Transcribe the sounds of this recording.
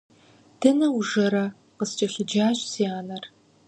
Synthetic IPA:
d̥ɨnɐwuʒɐɾɐ | qəst͡ʃʼɐɕʷʊd͡ʒaːʒziaːnɐr

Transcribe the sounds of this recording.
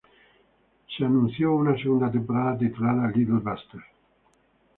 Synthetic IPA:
ʃeanũnsjounaseɣund̪at̪̬ẽmpoɾaðat̪̬et̪ulaðalid̪elbast̪eɾ

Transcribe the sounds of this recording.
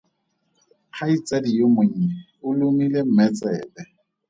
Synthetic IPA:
q͡χʰait͡sʼadijomʊɲ̩ɲɛ | ʊlʊmilem̩mɛt͡sʼɛːbɛ

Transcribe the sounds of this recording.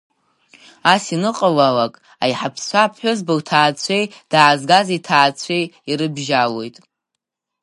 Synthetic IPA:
asinɨqʼalalakʼ | ajħapʰst͡ʃʷʰapʰħʷʊzbowtʰaːt͡sʷʰejd̥aːzɡazitʰaːt͡ɕʷʰe̞jiɾɨbʒalo̞jtʼ

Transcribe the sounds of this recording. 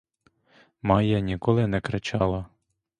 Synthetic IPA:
mɑjɐnʲikɔlˠɪnɛkɾɐt͡ʃɑlˠɐ

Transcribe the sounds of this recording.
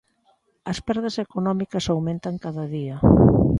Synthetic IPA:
ɐspɛɾðɐsekonɔmikɐsawmẽnt̪aŋkaðɐðiɐ

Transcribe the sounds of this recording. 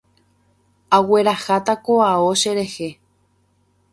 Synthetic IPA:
awe̞ɾaxat̪akoao̞ʃe̞ɾe̞he̞

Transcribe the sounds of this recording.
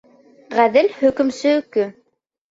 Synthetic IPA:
ʁæðɘlhɵ̆kɵ̆msɵkɵ

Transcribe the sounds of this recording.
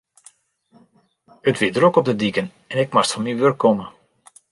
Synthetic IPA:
ətʋidɾokɔb̚dədikən | ɛnɪkmastfɑnmiʋørkːɔmə

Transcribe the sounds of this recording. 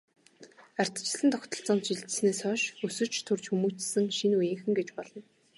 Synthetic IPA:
ar̥ʲt̪t͡ɕɪ̆ɮɘ̆nt̪ʰɔkʲt̪ɞ̆ɬt͡sɔmt̪ʃiɮt̪ɘ̥̆sneːsœːʃɵsɵ̆t͡ɕt̪ʰɵrt͡ɕxumuːt͡ɕsɘ̆ŋʃinujeŋxɘ̆ŋɡet͡ɕpɔɮɞ̆n

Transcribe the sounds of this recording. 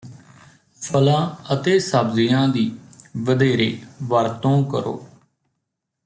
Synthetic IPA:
pʰəlãːət̪eːsəbzɪjãːd̪iːʋəd̪eːɾeːʋəɾt̪õːkə̰ɾo̰ː

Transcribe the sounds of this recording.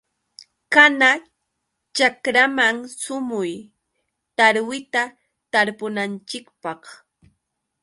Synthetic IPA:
kana | t͡ʃakɾamaŋsʊmʊj | t̪aɾwɪt̪a | t̪aɾpʊnant͡ʃɪkpɑχ

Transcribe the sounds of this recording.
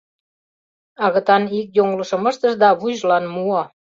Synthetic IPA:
ɑɣə̆t̪ɑnik̚joŋləʃɤ̆mə̆ʃt̪ə̆ʃd̪ɑβuʑlɑnmuɑ

